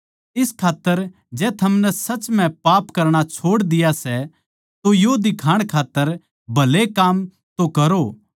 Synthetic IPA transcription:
ɪskʰaːt̪ːəɾ | d͡ʒɛːt̪ʰɐmnɛsɐt͡ʃm̤ɛ̃paːpkɐɾɽ̃at͡ʃʰoːɽd̪ɪjasɛ | t̪ojod̪ɪkʰaːɽ̃kʰaːt̪ːəɾ | bʱɐlekaːm | t̪okɐɾoː

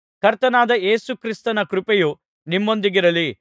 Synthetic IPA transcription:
kɐɾt̪ɐnaːd̪ɐʔeːsukɾist̪ɐnɐkɾupɛju | nimːo̞nd̪iɡiɾɐli

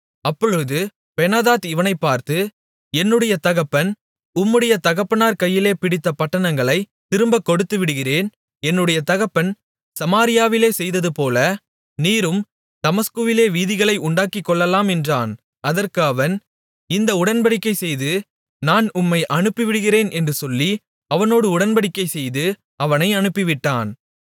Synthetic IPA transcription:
ɐpːɔɻɯðɯ | pɛnaːðaːt̪ɪʋɐnɐɪpːaːɾt̪ɯ | ɛnːɯɽɐjɐt̪ɐɣɐpːɐn | ʊmːɯɽɐjɐt̪ɐɣɐpːɐnaːɾkɐjːɪleːpɪɽɪt̪ːɐpɐʈːɐɳɐŋɡɐɭɐɪ | t̪ɪɾɯmbɐkːɔɽɯt̪ːɯʋɪɽɯɣɪreːn | ɛnːɯɽɐjɐt̪ɐɣɐpːɐn | sɐmaːɾɪjaːʋɪleːsɛjðɐðɯpoːlɐ | niːɾɯm | d̪̥ɐmɐskɯʋɪleːʋiːðɪɣɐɭɐɪʔʊɳɖaːkɪkːɔɭːɐlaːmɛndraːn | ɐðɐrkaːʋɐn | ɪnd̪ɐʊɽɐnbɐɽɪkːɐɪsɛjðɯ | naːnʊmːɐɪʔɐɳɯpːɪʋɪɽɯɣɪɾeːnʔɛndrɯsɔlːi | ɐʋɐnoːɽɯʊɽɐnbɐɽɪkːɐɪsɛjðɯ | ɐʋɐnɐɪɐɳɯpːɪʋɪʈːaːn

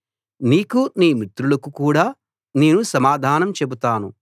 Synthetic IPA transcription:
niːkuniːmit̪ɾulɐkukuːɽaː | neːnusɐmaːd̪ʱaːnɐmt͡ʃe̞but̪aːnu

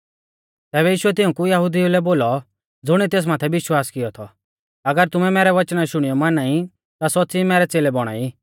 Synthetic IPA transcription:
t̪ɛːbɛjiːʃʊɛt̪ɪũkujɐɦʊd̪iulɛboːlɔ | d͡zʊɽ̃it̪eːs̬maːt̪ʰɛʋɪʃwaːskɪjɔt̪ʰɔ | ɐɡəɾt̪ʊmɛmɛːɾɛʋɐt͡ʃnaʃʊɽ̃ijɔmaːnaːi | t̪asɔtːt͡simɛːɾɛt͡seːlɛbɔɽ̃a̰ːi

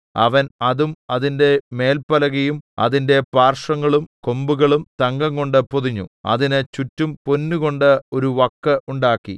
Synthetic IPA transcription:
ɐ̰ʋɐnɐðumɐðinde̞me̞ːlpɐlɐɣɐjumɐ̰ðinde̞paːrʂɐŋːɐɭumko̞mbuɣɐɭumt̪ɐŋɡɐŋɡo̞ɳɖɨpoðiɲːṵɐ̰ðinɨt͡ɕutːumpo̞nːuɣo̞ɳɖɨo̞ɾuʋɐkːɐʔuɳɖaːkːḭ

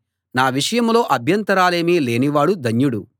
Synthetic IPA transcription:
naːʋiʂɐjɐmlo̞ːʔɐbʱjɐnt̪ɐɾaːle̞ːmile̞ːniʋaːɽud̪ʱɐɲjuɽu

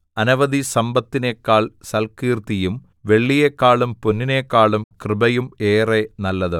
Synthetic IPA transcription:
ɐnɐʋɐðisɐmbɐt̪ːinekːaːɭsɐlkiːrt̪ijum | ʋe̞ɭːijekːaːɭumpunːinekːaːɭumkrɨbɐjume̞ːrenɐlːɐðɨ

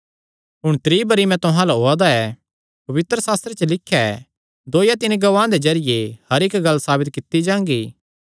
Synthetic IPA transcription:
ɦʊɽ̃t̪ɾiːbɐɾimɛ̃t̪ʊɦãlaɦoːad̪aɛ | pɐʋɪt̪ɾəsaːst̪ɾet͡ʃəlɪkʰːjɛ | d̪oːjat̪ɪnɡɐʋãːd̪ed͡ʒɐɾɪjehɐɾɪkɡɐlːsaːbɪt̪̚kɪt̪ːid͡ʒãːŋɡiː

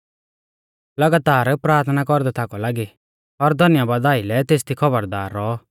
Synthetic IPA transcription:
lɐɡat̪aːɾpɾaːɾt̪ʰnakɔɾd̪ɛt̪ʰakɔlaːɡi | ɔɾd̪ʱɔnɪjabaːd̪aːɪlɛt̪eːst̪ʰikʰɔbəɾd̪aːɾːɔ

